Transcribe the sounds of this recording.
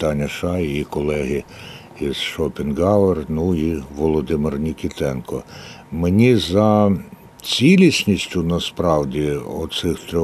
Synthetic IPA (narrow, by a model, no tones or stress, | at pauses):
t̪ɑnʲːɐʃɑjijikɔlˠɛɦɪ | iz̥ʃɔpʲɪnɡɑʋernuiʋɔlˠɔd̪ɪmɪrnʲikʲit̪ɛnkɔ | menʲizɐ | t͡sʲilʲisʲnʲisʲtʲʊnɐspɾɑwdʲiɔ̰sɪxt̪ɾʲɔ